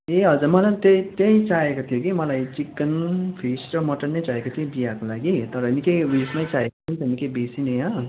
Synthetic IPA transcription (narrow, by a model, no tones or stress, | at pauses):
eɦʌd͡zurmʌlant̪ʌj̃t̪ʌjt͡saekot̪ʰijokimʌlajt͡sikːʌnpʰisɾʌmʌʈʌnnʌjt͡saekot̪ʰijobijakolaɡit̪ʌɾʌenikʌjwismajt͡saekot͡sʰʌnt̪enikʌjbesineɦʌ